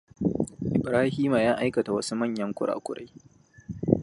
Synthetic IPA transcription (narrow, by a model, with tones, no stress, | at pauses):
ʔɪ˨bɾaː˦hiː˦maː˨jaː˦ʔa˦jkɐ˨ta˨wɐ˦su˦mɐ˦˨ɲjɐ˦ŋkʷʊ˦ɽa̰ː˨kʷʊ̰˦ɽa̰˦j